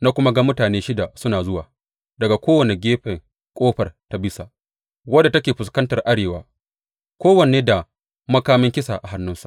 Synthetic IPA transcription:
naː˦kʷʊ˦ma˦ɡa˦mʊ˦taː˨neː˦ʃɪ˦da˨sʊ˦naː˨zʊ˦waː˨ | dɐ˨ɡa˨kʷoː˦wɐ˨ne˨ɡʲeː˦ɸɛ˨ŋ | kʷʼoː˦ɸɐ˨rta˦bɪ˦sa˨ʔ | wɐ˦dːa˨tɐ˦kʲeː˨ɸʊ˨s̬kɐ˦ntɐ˨rʔa˦ɽeː˨wa̰ː˦ | kʷoː˦wɐ˨neː˦da˨ | mɐ˦kaː˦mɪ˦ŋkʲɪ˦sa̰˨ʔa˨ɦa˦nːʊ˦nsḁ˨ʔ

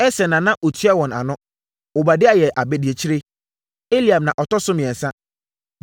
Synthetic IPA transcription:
ɛ˦sɛ˨nã˨nã˦ʔo˨tʰɥa˦wɔ̃˨na̰˨nʊ̃˦ | ʊ˨ba˨dɪ˦a˨jɛ˨ʔa˨bɛ˦di˨e˨t͡ɕʰi˦ɾe˦ | e˦li˨a˨mnã˨ʔɔ˨tɔ˦sʊ˦mɪ̃˨ɛ̃˨n˨sã˦

